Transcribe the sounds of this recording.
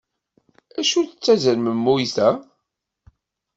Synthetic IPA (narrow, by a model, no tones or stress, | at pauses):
æʃuθət͡sːæzəɾməmːujθæ